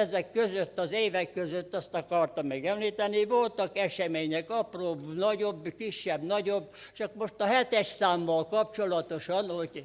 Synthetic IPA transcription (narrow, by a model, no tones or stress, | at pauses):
ɛzɛkːøzøt̪ːɒzeːvɛkːøzøt̪ːɒst̪ɒkɒrt̪ɒmːɛɡɛmliːt̪ɛniʋolt̪ɒkɛʃɛmeːɲɛkɒproːbnɒɟobːkiʃːɛbnɒɟob | t͡ʃɒkmoʃt̪ɒɦɛt̪ɛʃsaːmːɒlkɒpt͡ʃolɒt̪oʃɒnhoɟʲ